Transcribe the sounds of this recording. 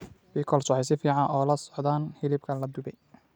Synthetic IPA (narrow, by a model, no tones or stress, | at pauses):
biːkʰɔlswħɛjsɪfiːʕɑnʔɔːlɐsɔ̥ʕd̪aːnhɪlɪbkʰɐlɐd̪ʊbɛj